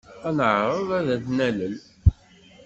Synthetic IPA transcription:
ænəʕɾˤəðˤæðæθnæləl

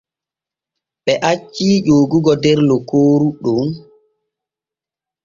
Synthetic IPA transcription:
ɓɛʔat͡ʃːiʄoːɡuɡɔdɛɾlɔkoːɾuɗum

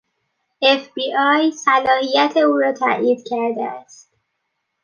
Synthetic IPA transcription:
efbiːʔɒːjsælɒːhijæt̪ʰeuːɾɒːt̪ʰæ̰ʔiːd̪cʰæɾd̪ḛæst̪

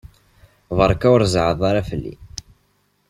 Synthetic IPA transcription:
vəɾˤkːæwɾzʕəðˤaɾafəlːḭ

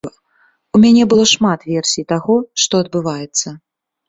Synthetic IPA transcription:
umʲanʲɛbɨlˠɔʂmat̪vʲɛrsʲijt̪aɣɔʂt̪ɔɐd̪̚bɨvajɛt̪sːɐ

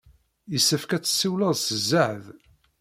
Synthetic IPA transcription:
jəsːəfkæt͡sːə̥sːiwləðˤsəzːaʕð

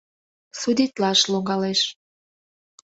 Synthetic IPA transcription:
sud̪it̪lɑʃloŋɡɑleʃ

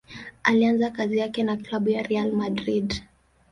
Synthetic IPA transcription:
alianzakazijakɛnaklaɓujaɾɛalmadɾid

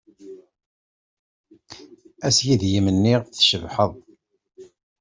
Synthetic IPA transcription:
æsjiðjimənːiʁθʃəvħəðˤ

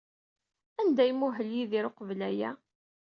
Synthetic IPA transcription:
ænd̪æjmuɦəljiðiɾoqvlæjæ̰

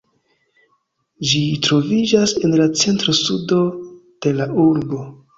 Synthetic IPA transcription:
d͡ʒitɾo̞vid͡ʒase̞nlat͡se̞ntɾo̞sudo̞d̥e̞laʔuɾbo̞

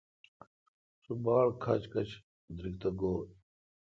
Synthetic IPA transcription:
subaːɭkʰɐ̰t͡ɕkɐt͡ɕ | d̪ɾikt̪ɐɡoːɽ

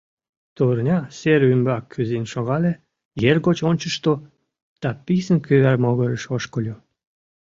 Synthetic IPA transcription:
t̪urnʲɑseɾymbɑkʰːyzenʃoɣɑle | jerɣot͡ɕonʲt͡ɕəʃt̪o | d̪̥ɑpisənkyβærmoɣəɾəʃoʃkolʲu

